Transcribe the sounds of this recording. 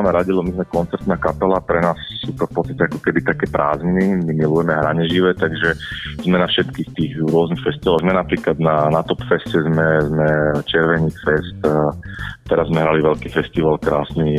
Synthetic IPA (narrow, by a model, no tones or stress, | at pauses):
amɛɾaɟilɔmizmɛkɔnt͡sɛɾt̪naːkapɛlapɾɛnaːssuːt̪ɔfpɔtt͡s̪t͡st̪ḁtcɛakɔkɛbit̪akɛːpɾa̰ːznimimilujɛmɛɦɾaɲɛʒiʋɛt̪aɡʒɛz̥mɛnafʃɛt̪kiːxt̪iːɣɾʊɔznixfɛst̪iʋalzmɛnapɾiːklad̪nanat̪ɔpfɛscɛzmɛzmɛt͡ʃɛɾʋɛɲiːt͡sfɛst̪ | t̪ɛɾazzmɛɦɾaliʋɛʎkiːfɛst̪iʋalkɾaːsni